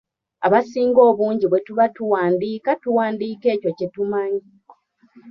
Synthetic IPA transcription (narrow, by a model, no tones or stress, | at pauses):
aβasiːŋɡo̞ːβuːɲɟiβwe̞tuβatuwaːndiːkatuwaːndiːke̞ːco̞ce̞tumaɲi